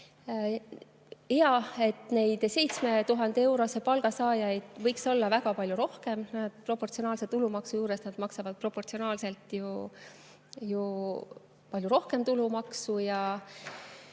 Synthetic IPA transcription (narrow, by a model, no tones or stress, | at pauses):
eɑe̞t̪ne̞jd̪̥se̞jt̪sme̞t̪uɦɑnd̪̥ee̞wɾo̞se̞pɑlɡ̥ɑsɑːjɑjd̪̥vɤjkso̞lːɑvæɡɑpɑlʲjuɾo̞hke̞mnɑd̪̥pro̞pːˑo̞rt̪sio̞nɑːlset̪ːulumɑksujuːɾesnɑd̪̥mɑksɑvɑd̪̥̚pro̞pːort̪sionɑːlse̞lt̪ˑju | ju | pɑlʲjuɾo̞hke̞mt̪ulumɑksujɑ